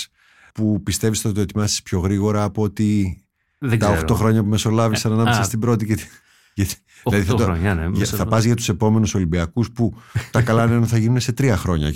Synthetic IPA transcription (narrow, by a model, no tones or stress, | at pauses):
pupist̪e̞visθɐt̪t̪oet̪imɐsi̥spço̞ɣɾiɣo̞ɾɐːpoot̪i | ðɡt̪ɐoxɾo̞xɾo̞ɲɐpume̞so̞lɐvisɐnɐnɐmesɐst̪ibɾo̞t̪̬iɐt̪ | ʝɐt̪i | ðilɐðiθɐt̪onʝɐθɐpɐzʝɐt̪u̥se̞po̞me̞nuso̞libiɐkusput̪ɐkɐlɐneonθɐʝinunese̞t̪ɾiɐxɾo̞ɲɐ̰